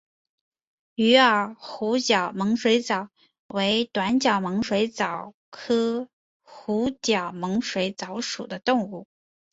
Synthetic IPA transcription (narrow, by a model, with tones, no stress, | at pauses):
y˧˥ə˞˨˩xu˧˥t͡ɕjɑ˨˩ʊmɤ˧˥ŋʂwe˧˥ɪt͡sɑ˨˩˦ʊ | we˧˥ɪt̪wa˧˥nt͡ɕjɑ˨˩ʊmɤ˧˥ŋʂwe˧˥ɪt͡sɑ˨˩ʊ | kʰɤ˥ | xu˧˥t͡ɕjɑ˨˩ʊmɤ˧˥ŋʂwe˧˥ɪt͡sɑ˧˥ʊʂṵ˨˩d̪ə˦t̪ʊ˥˧ŋu˥˩